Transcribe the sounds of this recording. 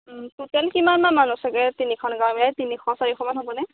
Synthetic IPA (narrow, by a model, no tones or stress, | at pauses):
tutɛlkimanmamanusɛɡɛtinikʰɔnɡaɹmilajtinikʰɔsaɹikʰɔmanɦobɔnɛ